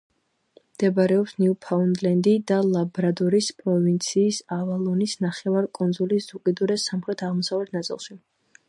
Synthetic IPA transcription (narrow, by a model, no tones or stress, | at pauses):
md̪̥ɛbaɾɛɔpsniupʰaund̪lɛnd̪id̪alˠabɾad̪ɔɾispʼɾɔvint̪sʰiːsavalˠɔnisnaχɛvaɾkʼund̪zulisz̥ukʼid̪uɾɛsamχɾɛt̪ʰaʁmɔsavlɛt̪ʰnat̪sʼḭlˠʃi